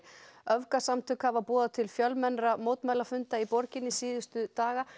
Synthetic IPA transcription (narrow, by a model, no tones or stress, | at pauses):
œvkasamt̪ʰʏkhavapɔːðat̪ʰɪlfjœlmɛnɾamoːwt̪majlafʏnt̪aipɔɾcɪnːɪsiːðʏst̪ʏt̪aːɣa